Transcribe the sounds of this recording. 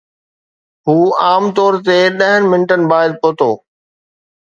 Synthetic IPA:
ɦuːaːmt̪ɔːɾt̪eɗɐɦənɪ̆mɪnʈənɪ̆baːɪd̪̚poːt̪oː

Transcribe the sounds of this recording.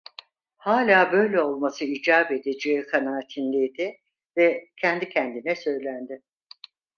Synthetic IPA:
haːlʲaːbø̞jlʲɛo̞lˠmasɯid͡ʒaːbe̞d̪ed͡ʒeikʰanaːt̪ʰinlʲejd̪ɪ | vɛcʰɛnd̪icʰɛnd̪inɛsø̞jlʲænd̪ɪ

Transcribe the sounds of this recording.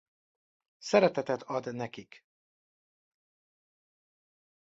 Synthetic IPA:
sɛɾɛt̪ɛt̪ɛt̪ʰɒd̪nɛkik

